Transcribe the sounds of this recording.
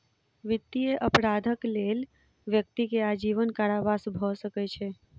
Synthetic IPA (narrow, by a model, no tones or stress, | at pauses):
ʋit̪ːieʔəpɾad̪ʱəklel | ʋjək̚t̪ikead͡ʒiʋənkaɾabasbʱɔsəkɛt͡ʃʰɛ